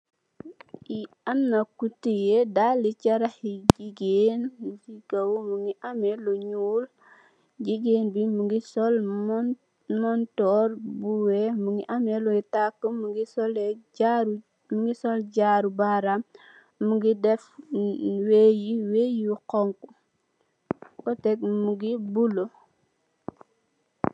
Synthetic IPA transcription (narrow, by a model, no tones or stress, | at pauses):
i | ɐnːɐkutijedalicɐɾɐhiɟiɡenluciɡɐwmuŋiʔameluɲuːl | ɟiɡeːnbimuŋɡisɔl | mɔntɔɾbuwemuŋiʔameluitakːəmuɡisɔleaɾ | muɡisɔlɟaɾubaɾam | muɡidɛf | wejiwejukɔŋku | kɔtɛkmuɡibulo